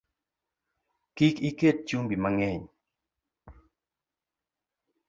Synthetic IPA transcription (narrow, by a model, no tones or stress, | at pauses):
kikiket̚t͡ʃumbimaŋɛɲ